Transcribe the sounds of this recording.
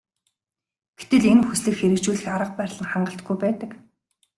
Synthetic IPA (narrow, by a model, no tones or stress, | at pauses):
ɡ̥et̪ɘ̆ɮenxusɮɘ̆kxeɾɘ̆k̚t͡ɕuːɮɘ̆xaɾə̆q̚pæɾʲɮə̆ŋχaɴɢə̆ɬt̪ɡujpæːt̪ə̆k